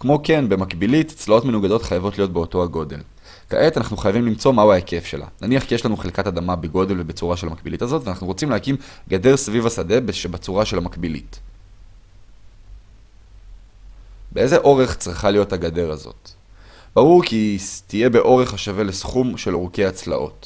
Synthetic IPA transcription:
kmo̞ke̞nbe̞makbiliti̥t͡slao̞tmenuɡado̞tχajavo̞tlijo̞t̚be̞o̞to̞aɡo̞de̞l | ka̰ʔet̪anaχnuχajavimlimt͡so̞mauaeke̞fʃe̞̰la̰naniaχkijeʃlanuχelkatadamabeɡo̞de̞lve̞bet͡suʁaʃelhamak̚bilitazo̞tvanaχnuʁo̞t͡simleakimɡade̞ʁsvivasade̞beʃbat͡suʁaʃelhamakbilḭt | beʔeze̞ʔo̞ʁe̞χt͡sʁiχalijo̞thaɡade̞ʁazo̞̰t | b̥aʁuʁkitije̞be̞ʔo̞ʁe̞χaʃave̞lesχumʃe̞loʁkeat͡sla̰ʔo̞̰t

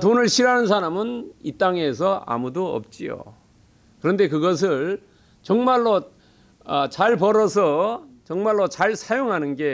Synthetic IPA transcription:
tonɯɭɕʰiɾanɯns̬ʰaɾamɯnit͈aŋe̞s̬ʰʌa̰mudoʌ̰p̚t͡ɕ͈ijo̰ | kɯɾʌnde̞kɯɡʌs̬ʰɯɭ | t͡ɕʌŋmaɭːo | ʌt͡ɕaɭp̬ʌɾʌsʰʌt͡ɕʌŋmaɭːot͡ɕaɭsʰajoŋɦanɯnɡe̞

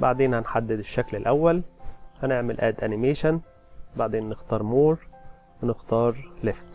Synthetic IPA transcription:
baʕd̪eːnhænħad̪ːɪd̪ɪʃːæklɪlʔæwːælhæneʕmɪlʔæːd̪ʔænɪmeːʃan | baʕd̪eːnːɪxt̪ɑːɾˤmoːɾˤ | wenɪxt̪ɑːɾˤleft̪

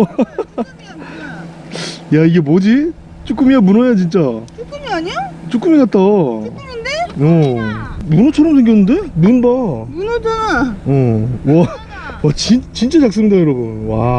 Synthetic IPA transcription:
jaiɡe̞mod͡ʑi | t͡ɕ͈uk͈ɯmijamunojat͡ɕint͡ɕ͈at͡ɕuk͈ɯmiɡaɲot͡ɕ͈uk͈ɯmiɡat̚t͈anɯndeo | munot͡ɕʰʌɾʌmsʰeŋɡjʌnːɯnde̞munbamunodaõwʌ | wat͡ɕint͡ɕint͡ɕ͈at͡ɕak̚s͈ɯmidajoɾʌbunwa̰

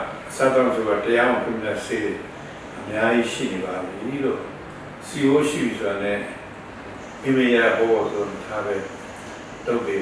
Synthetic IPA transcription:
sa̰t̪ãsoɡatəjawɔ̃k̪ʰumjaseɾe | ʔəmjad͡ʑiʃḭnebad̪ðilo | siboʃḭbisʰoanɛ̃ | ĩmẽjaapɔbɔsoonitʰabɛ | toʊ̃pe

